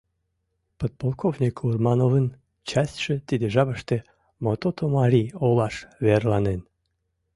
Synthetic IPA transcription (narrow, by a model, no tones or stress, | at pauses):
pot̪̚polˠkovnʲikʰurmɑnovən | t͡ɕɑsʲt̪ʲʃə̆t̪id̪eʒɑβəʃt̪e | mot̪ot̪omɑɾʲiolɑʃβerlɑnen